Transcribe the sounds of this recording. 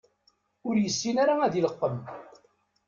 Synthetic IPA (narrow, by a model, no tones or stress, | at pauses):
ʊɾjəsːinaɾaæðiləqːəm